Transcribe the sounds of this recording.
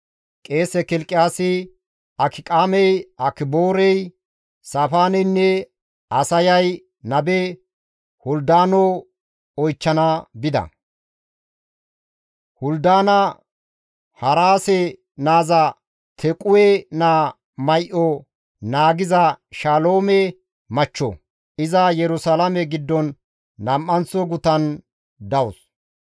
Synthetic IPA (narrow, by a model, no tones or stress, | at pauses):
kʼe̞ːsɛkɪlkʼːɪjaːsɪ | ɐkʰɪkʼaːmɛjɐkɪboːɾɛj | safaːnɛnːɛ | ɐsɐjɐj | nɐbɛ | hʊld̪aːnɔ | ɔjt͡ʃːɐnɐbɪd̪ɐ̰ | hʊld̪aːnɐ | hɐɾaːsɛ | naːzɐ | t̪ʰɛkʼʊwɛna | mɐjʔɔ | naːɡɪzɐʃaloːmɛ | mɐt͡ʃːɔ̰ | ʔɪzɐjɛɾʊsɐlɐmɛɡɪd̪ːɔnː | ɐmʔɐnt͡sɔɡʊt̪ɐn | d̪ɐwʊs